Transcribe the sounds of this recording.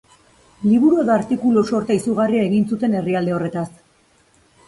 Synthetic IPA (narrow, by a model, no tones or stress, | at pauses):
liβuɾue̞ðoaɾt̪ikuluso̞ɾt̪aisuɣ̞ariae̞ɣinsut̪e̞ne̞riald̪eo̞re̞t̪as